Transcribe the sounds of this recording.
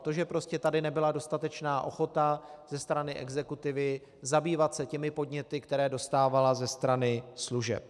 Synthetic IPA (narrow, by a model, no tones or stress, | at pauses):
t̪oʒɛpɾo̞scɛt̪adɪnɛbɪlado̞st̪at̪ɛt͡ʃnaːʔo̞̰xo̞t̪az̥ɛst̪ɾanɪʔɛɡzɛkut̪ɪvɪ | zabiːvat̪sɛcɛmɪpo̞dɲɛt̪ɪkt̪ɛɾɛːdo̞st̪aːvalazɛst̪ɾanɪsluʒɛ̰p̚